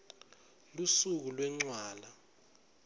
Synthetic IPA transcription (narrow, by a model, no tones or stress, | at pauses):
lusuk̬ulwɛŋ͡ǀwaːla